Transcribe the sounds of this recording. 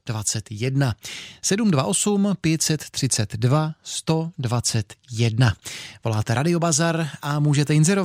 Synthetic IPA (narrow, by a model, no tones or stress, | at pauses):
d̥vat͡sɛt̪jɛdnasɛdumdvaʔo̞sumpjɛt̪sɛt̪ːr̥ɪt͡sɛt̪dvast̪o̞dvat͡sɛt̪jɛdnavo̞laːt̪ɛɾʔadɪo̞bazaɾʔamuːʒɛt̪ɛɪnzɛɾov